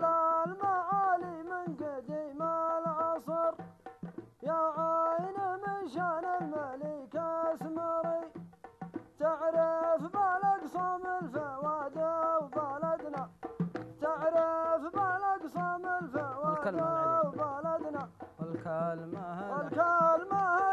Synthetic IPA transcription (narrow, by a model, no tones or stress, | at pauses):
lalmaʕalimɪnɡɪd̪imalʕɑsˤɑɾ | jaʕajnamɪnʃanalmalikasmɑɾi | t̪ɪʕɾafbalaɡsˤɑmɪlfaʕwad̪awbalad̪nat̪ɪʕɾafbalaɡsˤɑmɪlfaʕwaawbalad̪nalklawalkalmaha